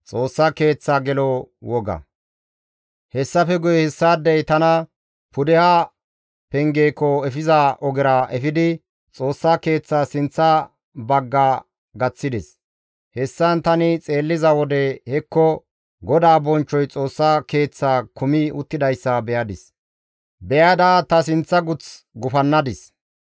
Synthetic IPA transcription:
t͡sʼo̞ːsːake̞ːt͡sːaːɡɛlɔwɔɡɐ̰ | hɛsːɐfɛɡʊjɛhɛsːaːd̪ːɛjt̪ɐnɐ | pʊd̪ɛha | pɛŋɡeːkːɔɛfɪzaʔɔɡɪɾaːʔɛfɪd̪ɪ | t͡sʼoːsːaːke̞ːt͡sːaːsɪnt͡sːa | bɐɡːaː | ɡɐt͡sːɪd̪ɛs | hɛsːɐnt̪ɐnɪt͡sʼe̞ːlːɪzɐwɔd̪ɛhɛkːɔ | ɡɔd̪aːbɔnt͡ʃːɔjt͡sʼo̞ːsːaːke̞ːt͡sːaːkʊmɪʊt̪ːɪd̪ɐjsːɐbɛjɐd̪ɪs | bɛjad̪aːt̪ɐs̬ɪnt͡sːɐɡʊt͡s | ɡʊfɐnːɐd̪ɪs

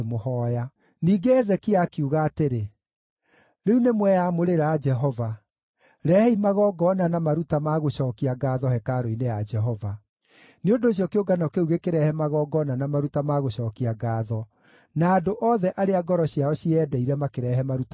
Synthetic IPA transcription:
mohɔːja | niːɡehɛzɛkiakiuɣaːteɾe | ɾeunemwɛjamoɾeɾad͡ʒɛɦɔva | ɾɛhɛimaɣɔɡɔnanamaɾutamaɣoɕɔːkiaɡaːðɔhɛkaɾoinejad͡ʒɛɦɔva | neondoːɕ̬jɔkeoɡanɔkeuɣekeɾɛhɛmaɣɔːɡɔnanamaɾutamaɣoɕɔːkiaɡaːðɔ | naːdoʔɔːðɛʔaɾeaɡɔɾɔɕiaɔɕiɛːdɛiɾɛmakeɾɛːɦɛmaɾut

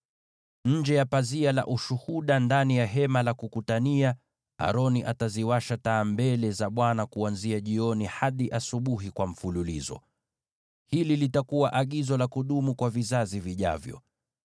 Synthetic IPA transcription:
ɲ̩d͡ʒɛjapaziala̰ʔuʃuhuɗandanijaɦɛmalakukutania | a̰ɾɔniʔataziwaʃataːmbɛlɛzaɓwanakuanziaʄiɔnihaɗiʔasuɓuɦikwam̩fululḭzɔ̰ | hililitakuwaʔaɠizɔlakuɗumukwavizaziviʄa̰vjɔ̰

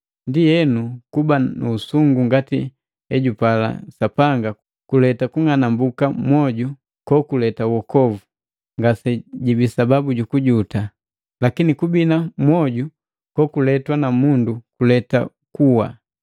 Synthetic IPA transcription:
ndijɛnukubanuːsuŋɡuŋɡati | ɛɟupala̰sapaŋɡa | kulɛtakuŋanambukamwɔɟu | kɔkulɛtawɔkɔvu | ŋɡasɛɟibisababuɟukuɟuta | lakinikubinamwɔɟu | kɔkulɛtwanamundukulɛta̰ | kuwa̰

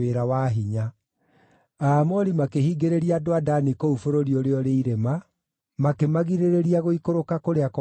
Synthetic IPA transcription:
eɾawaɦiɲa | amɔɾimakeɦiːɡeɾeɾiadoadanikoufoɾoɾioɾeɔɾeiɾema | makemaɣiɾeɾeɾiaɣoikoɾokakoɾeakɔ

